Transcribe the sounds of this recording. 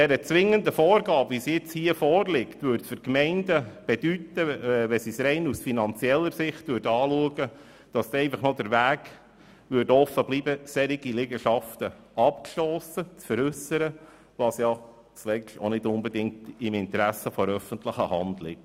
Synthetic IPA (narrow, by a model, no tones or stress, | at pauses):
d̥ɛɾət͡sʋɪŋənd̪əfɔːɾɡɑːbʋisjɪt͡shiːəfɔːɾlɪktʋʏːɾtfʏɾkmɛɪndəb̥ɛd̥ytəʋɛsisɾɛɪnusfinɑnt͡sjɛlːəɾsɪχtdøːɾdɑːluəɡə | d̥ɑsɛɪfɑχnɔd̥̪əɾʋæːɡ | ʋʏɾdɔfəbliːbəsɛɾiɡilɪɡəʃɑft̪ə | ɑpkʃlɔːsət͡sfəɾʏsəɾə | ʋɑsjɑ | t͡slɛʃto̰nɪdʊnbɛdɪŋk̚tɪmɪnt̪ɾæsəfɔɾœfəntləχəhɑ̰nd̪lɪ̰k̚t